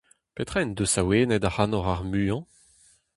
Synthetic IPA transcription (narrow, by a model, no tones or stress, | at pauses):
pet̪χɛnd̪osaweːnɛd̪ahanɔʁaʁmyːɑ̃